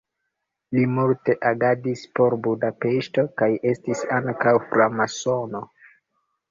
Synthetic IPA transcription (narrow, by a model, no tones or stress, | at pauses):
limulte̞ʔaɡadispo̞ɾbudape̞ʃto̞kaje̞stisaŋkawfɾamaso̞no̞